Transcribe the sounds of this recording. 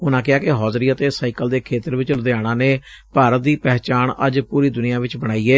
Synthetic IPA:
ʊnãːkɪaːkɪɦɔːzɾiːət̪eːsaːikəld̪eːkʰeːt̪əɾʋɪt͡ʃləd̪eaːɽ̃ãːneː | paːɾət̪̚d̪iːpɛːt͡ʃaːɳəd͡ʒpuːɾiːd̪ʊnɪjãːʋɪt͡ʃbəɽ̃aːiːɛː

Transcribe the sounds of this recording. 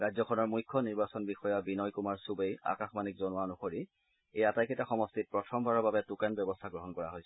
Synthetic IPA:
ɹajzɔkʰɔnɔɹmujkʰːɔniɹbasɔnbixɔjabinɔjkumaɹsubeja̰kaxmanikzɔnʊanɔxoɹi | ejatajkʰitaxɔmɔstit̚pɹɔtʰɔmbʱaɹɔbabɛtukanbjɔbɔstʰaɡɹɔɦɔnkɔɹa̰ɦojsɛ̥

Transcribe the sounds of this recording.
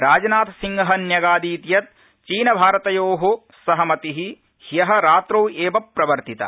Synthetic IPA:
ɾaːd͡ʒɐnaːt̪ɐsiŋɡɐɦɐnjɐɡaːd̪iːt̪jɐt̪̚ | t͡ʃiːnɐbʱaːɾɐt̪ɐjoːɦo | sɐɦɐmɐt̪iɦi | hjɐɦɐ̆ɾaːt̪ɾoːeːbɐpːɾɐʋɐɾt̪it̪ɐ̰

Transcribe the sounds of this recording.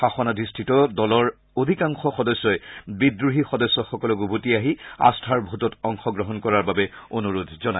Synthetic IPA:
xaxɔnadʱistʰitɔdɔlɔɹ | od̪ʱikaŋxɔxɔdɔsːɔɛbidɹuɦixɔdɔsːɔxɔkɔlɔɡubʱutiaɦia̰stʰaɹbʱutɔtɔŋxɔɡɹɔɦɔnkɔɹaɹbabɛonuɹudʱzɔna

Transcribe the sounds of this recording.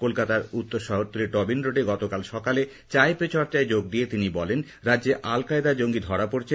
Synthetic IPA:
kolkat̪aɾut̪ːoɾʃɔɦoɾt̪ːoleʈɔbinɾoɖeɡɔt̪okalʃɔkale | t͡ɕaepet͡ɕʰɔɾt͡ɕaed͡ʑoɡ̚d̪iet̪inibɔlen | ɾadːd͡ʑeʔalkaed̪ad͡ʑoŋɡid̪ʱɔɾapoɾt͡ɕʰe

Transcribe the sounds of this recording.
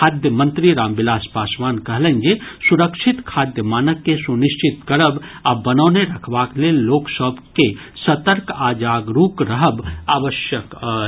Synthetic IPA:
kʰaːd̪jəmə̃nt̪ɾiɾaːmbɪlaːspaːsʋaːnkɐɦlə̃nd͡ʒesuɾəkʃʰɪt̪kʰaːd̪jəmaːnəkːesunɪʃt͡ʃɪt̪kɐɽəbabɐnəːneɾɐkʰʋaːkleloːksəbke | sɐt̪əɾkaːd͡ʒaːɡɾuːkɾəɦəbaːʋəʃjək

